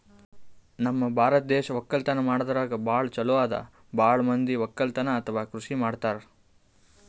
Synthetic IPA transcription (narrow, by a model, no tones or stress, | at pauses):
nɐmːɐbʱaːɾɐt̪̚d̪ɛːʃɐʋɐkːɐlt̪ɐnɐmaːɽd̪ɐɾaːɡɐbaːɭt͡ʃɐluʋaːd̪ɐ̰ | baːɭmɐnd̪iʋɐkːɐlt̪ɐnɐːt̪ʰɐʋaːkɾuʂimaːɽt̪aːɾe